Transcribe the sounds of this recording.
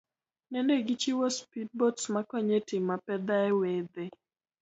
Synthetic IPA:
nɛndeɡit͡ʃiwɔspid̚bɔtsmakɔɲetɪmapɛd̪aɛwed̪e

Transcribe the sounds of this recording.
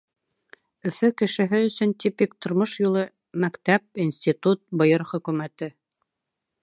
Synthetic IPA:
ɵ̆fɵkɘ̆ʃɘ̆ɦɘɵ̆sɵnt̪ipikt̪ŏɾmoʃjulˠɤ | mækt̪æp̚insʲt̪ʲit̪ut̪̚bɤ̆jɤɾχɵ̆kʉ̆mæt̪ɘ

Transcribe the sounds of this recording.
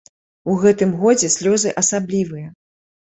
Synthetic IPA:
uɣɛt̪ɨmɣɔd͡zʲɛsʲlʲɔzɨʔɐsablʲivɨjɐ

